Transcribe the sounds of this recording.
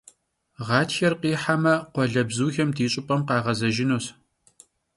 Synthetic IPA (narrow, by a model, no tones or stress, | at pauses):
ʁɑːtxɐrqiːħamɐqʷɔɮɐbzuːxɐmdiːɕʼʊpʼɐmqɑːʁɐzɐʒɪnuːs